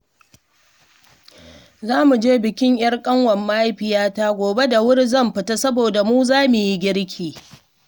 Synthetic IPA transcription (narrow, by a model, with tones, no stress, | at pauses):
zaː˦mu˨d͡ʒeː˦bɪ˨kʲɪ˦ɲj̰ɐ˦rkʼɐ˦ŋwɐ˨mːaː˦jɸɪ˨jaː˦taː˦ɡʷoː˨be˦da˨wʊ˦ɽzɐ˦˨mɸɪ˨ta˦sɐ˦boː˨da˨muː˦zaː˦mʊ˨ji˦ɡʲɪ˦ɽkʲʰiː˨